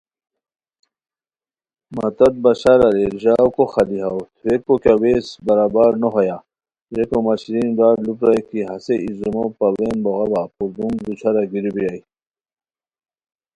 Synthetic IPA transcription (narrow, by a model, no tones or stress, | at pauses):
mɐt̪ɐd̪̚baɕaɾaɾiɾʑaːwkoxaliɦawt̪ʰwekokawesbɐɾaːbaːɾnoɦoja | jekomaɕɾind̪aːdlupɾajkiɦɐseʔizumopawenboɣɑbapuɾd̪umd̪ut͡ɕʰaɾaɡiɾibijaj